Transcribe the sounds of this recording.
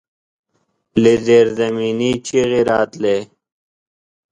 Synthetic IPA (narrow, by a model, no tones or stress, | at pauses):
lezeːɾzɐmiːnit͡ɕʰiɣiɾaːt̪leː